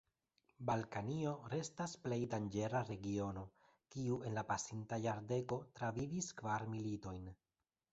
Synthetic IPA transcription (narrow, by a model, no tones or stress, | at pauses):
balkanio̞ɾe̞stasple̞jdand͡ʒe̞ɾaɾe̞ɡio̞no̞ | kiue̞nlapasintajaɾde̞ko̞tɾaviviskvaɾmilito̞jn